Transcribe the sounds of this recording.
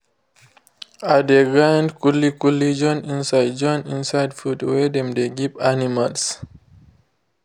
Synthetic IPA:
adeɡɹãndkɔlikɔlid͡ʒɔ̃nĩnsajd̚d͡ʒɔ̃nĩnsajdfudwɛdɛ̃mdeɡipanimals

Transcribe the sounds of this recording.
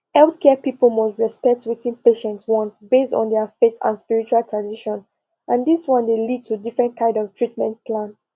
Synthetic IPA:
hɛlˠθkʰɛpipəl̩mɔsɹɛspɛk̚twitĩnpeʃɛ̃ntswɔ̃ntbestɔ̰̃ndɛfetʰã̰nspiɹit͡ʃualˠtʰɹãndiʃɔ̃n | ʔãndiswɔ̃ndelid̚tʰudifɹɛ̃nt̚kʰãɪ̃ndɔv̥tʰɹitmɛ̃ntpʰlãn

